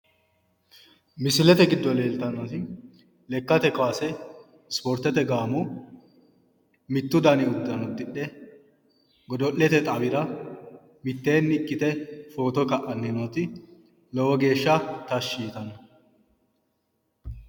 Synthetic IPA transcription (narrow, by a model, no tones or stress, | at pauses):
mɪsɪlɛt̪ɛɡɪd̪ːɔleːlt̪ɐnːɔt̪ɪ | lɛkːɐt̪ɛkwaːsɛ | spɔɾt̪ːɛt̪ɛɡaːmʊ | mɪt̪ːʊd̪ɐnɪʊd̪ːɐnɔd̪ːɪɗɛ | ɡɔd̪ɔʔːɛt̪ɛt̪ʼɐwɪɾɐ | mɪt̪ːe̞ːnːɪkʼːɪt̪ɛfo̞ːt̪ɔkɐʔɐnːɪnoːt̪ɪ | lɔwɔɡe̞ːʃːɐt̪ɐʃːiːt̪ɐnːɐ